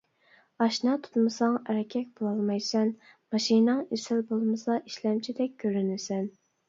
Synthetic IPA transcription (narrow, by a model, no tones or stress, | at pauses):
ɑʃnɑt̪ʰu̥t̪mɨsɑŋɛɾɪkʲʰɛk̚ʲbolˠɑlˠmɑjsɛn | mɑʃinɨŋesɪlbolˠmɨsɑʔiʃlɛmt͡ʃʰid̪ɛk̚ʲkʲʰːøɾynɪsɛn